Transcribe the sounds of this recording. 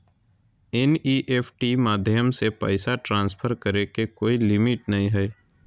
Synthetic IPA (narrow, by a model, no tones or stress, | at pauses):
ɛniːʔeːpʰʈimaːd̪ʱjəmsepə̰ɪsaʈɾãːnspʰəɾkəɾekekoːilɪmɪʈnɐɦĩɦɛː